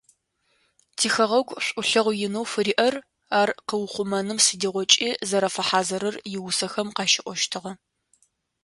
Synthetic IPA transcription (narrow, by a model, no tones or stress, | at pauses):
tʰiːxɐʁɐɡʷɕʷʼʊɬɐʁʷjɪnɐwfɨɾiːʔɐr | aːrqəwʊχʷʊmɐnɨmsɨdiːʁʷɔt͡ʃʼiːzɐɾɐfɐħaːzɐɾɐrjɪwʊsɐxɐmqɑːʃɪʔʷɔʃtʰɨʁɐ